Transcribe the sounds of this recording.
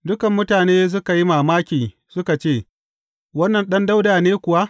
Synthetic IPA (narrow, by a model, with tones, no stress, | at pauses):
dʊ˦kɐ˨mːʊ˦taː˨neː˦s̬ʊ˦ka˨ji˦maː˨maː˦kʲiː˨ | sʊ˦ka˨t͡ʃeː˦˨ | wɐ˦nːɐ˨nɗɐ˦nda˦wdaː˨neː˦kʷʊ˨wa˦ʔ